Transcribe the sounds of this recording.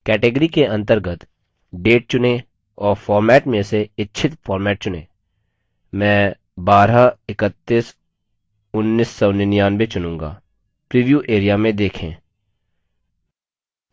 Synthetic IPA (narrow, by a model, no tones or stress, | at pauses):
kɛːʈeɡəɾikeɐ̃nt̪əɾɡət̪ | ɖeːʈ̚t͡ʃʊne | ɔːɾfʰɔːɾmɛːʈmẽseɪtːʃʰɪt̪fʰɔːɾmɛːʈ̚t͡ʃʊnḛː | mɛ̃ː | baːɾaɪkət̪ːiːs | ʊnːiːsːɔʊnɪnijaːnbet͡ʃʊnũːŋɡa̰ː | pɾiːʋjuːʔeːɾijamẽd̪eːkʰḛ̃ː